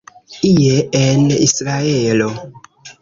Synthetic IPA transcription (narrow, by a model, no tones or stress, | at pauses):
ijeenḭsɾaeelo